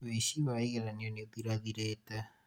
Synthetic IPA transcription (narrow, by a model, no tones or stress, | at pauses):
βesiβaiɣelanioniokiɾakiɾeta